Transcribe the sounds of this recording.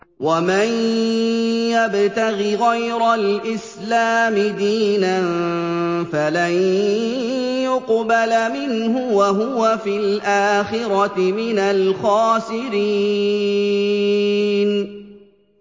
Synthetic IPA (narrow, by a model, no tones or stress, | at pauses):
waman | jabt̪aɣiɣajɾalʔɪs | laːmɪd̪iːnan | falan | jʊqbalmɪnhʊwaɦʊwafɪlʔaːxɪɾɑɪmɪnalxɑːsɪɾi | n